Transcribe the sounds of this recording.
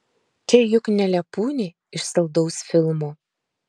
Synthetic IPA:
t̪ʲejʊknʲɛlʲɛpuːnʲeː | ɪʃsɐlˠd̪ɐʊsfʲɪlˠmoː

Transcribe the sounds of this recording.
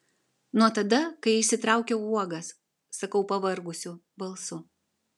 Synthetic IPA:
nuɔt̪ɐd̪ɐkɐɪɪʃʲsʲɪt̪ɾɑˑʊkʲɛuɔɡɐsː | ɐkɐʊpɐʋɐɾɡʊsʲʊ | bɐlˠsʊ

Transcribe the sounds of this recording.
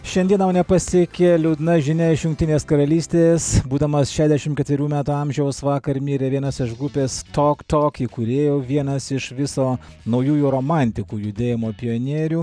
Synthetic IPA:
ʃʲɛnd̪ʲiɛnɐʊnʲɛpɐsʲɛkʲelʲuːd̪nɐʒʲɪnʲɛɪʃjʊŋk̚ʲt̪ʲɪnʲeːskɐɾɐlʲiːsʲt̪ʲeːsbuːd̪ɐmɐsʃʲæːʒʲd̪ʲɛʃʲɪmtkʲɛt̪ʲʋʲɪɾʲuːmʲæːt̪uːɑmʲʒʲɛʊsʋɑːkɐɾmʲiːɾʲeːʋʲiɛnɐsɪʃɡɾʊpʲeːst̪oːkt̪oːkiːkʊɾʲeːjoːʋʲiɛnɐsɪʃʋʲɪsoː | nɐʊjuːjuɾoːmɑnʲt̪ʲɪkuːjʊd̪ʲeːjɪmoːpʲɪjoːnʲiːɾʲuː

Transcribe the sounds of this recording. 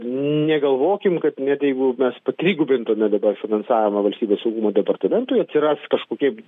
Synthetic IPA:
nʲɛɡɐlˠʋoːkʲɪmkɐt̪nʲɛt̪jɛɪɡʊmʲɛspɐt̪ʲɾʲiːɡʊbʲɪnt̪oːmʲɛd̪ɐbɐrfʲɪnɐnsɑːʋʲɪmɐʋɐlʲsʲt̪ʲiːbʲeːsɐʊɡuːmoːd̪ʲɛpɐrt̪ɐmʲɛnt̪ʊɪɐt̪ʲsʲɪɾɐskɐʃkoːkʲiɛ

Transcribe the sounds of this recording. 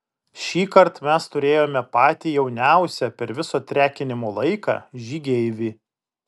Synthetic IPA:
ʃʲiːkɐɾt̪mʲɛst̪ʊɾʲeːjoːmʲɛpɑːt̪ʲiːjɛʊnʲæˑʊsʲɛpʲɛɾʋʲɪsoːt̪ʲɾʲæːkʲɪnʲɪmoːlˠɐɪkɑ̰ːʒʲiːɡʲɛɪʋʲiː

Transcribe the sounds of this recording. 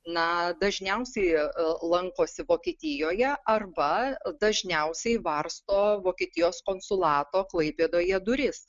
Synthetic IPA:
nɐd̪ɐʒʲnʲɛʊsʲɛɪlˠɐŋkoːsʲɪʋoːkʲiːt̪ʲɪjoːjɛʔɐrbɐd̪ɐʒʲnʲɛʊsʲɛɪʋɐrst̪oːʋoːkʲeːt̪ʲɪjoːskoːnsʊlˠɑːt̪oːklˠɐɪpʲeːd̪oːjɛd̪ʊɾʲɪs

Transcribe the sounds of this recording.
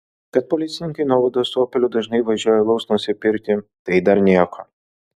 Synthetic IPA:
kɐt̪̚pɔlʲɪt̪sʲɪnʲɪŋkɐɪnuɔʋɐd̪oːst̪oːpʲɛlʲʊd̪ɐʒnɐɪʋɐʒʲuɔjɛlˠɐʊsnʊsʲɪpʲɪɾʲk̪ʲɪt̪ɐɪd̪ɐɾnʲiɛko

